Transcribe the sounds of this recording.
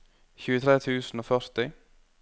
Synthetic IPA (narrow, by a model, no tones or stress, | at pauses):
çʉːət̪ʰɾeːt̪ʰʉːsn̩oːfœɾt̪ɪ